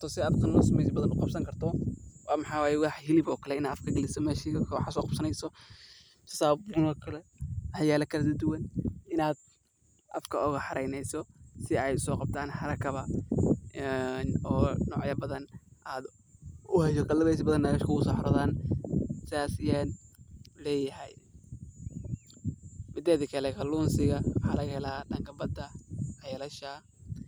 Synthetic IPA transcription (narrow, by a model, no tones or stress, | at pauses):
t̪ʰɔsɪaːd̪t̪ɐnːɔːsmɛjsbɐðɐnʊqɑbsɐŋkʰɐrt̪ʰɔwɑːmɑħɑːwaːjɛwɑħhɪlɪbɔːkʰɐlɛɪnaːd̪ɐfkʰɐɡɛlɪsɔmɛːʃikʰwɑħsɔːqɑb̥sɐnɛjsɔ | t̪ʰɔ̥sabʊnɔːkʰɐlɛħjaːlɐkʰɐlɐd̪ɐd̪ʊwɐnɪnaːd̪ | ʔɐfkʰɐɔɣɐħɑɾɛjnɛjsɔsɪɛjsɔːqɑb̚t̪ʰaːnħɑɾɐkʰɐβɐ | ɛnɔːnɔ̰ːʕjɐbɐðɐnʔaːd̪ | ʊhɛjɔkɐlɐβɛjs̬bɐðɐnːɐɣɐʃkʰʊɣʊsɔːħɑɾɐðaːn | sɪaːsɪjanlɛːjɐhɛj | mɪd̪ɛːðikʰɐlɛkʰɐluːnsɪɣɐwħɑlɐɣhɛlaːdɐŋkʰɐbɐd̪ɐhɑjlɐʃɐ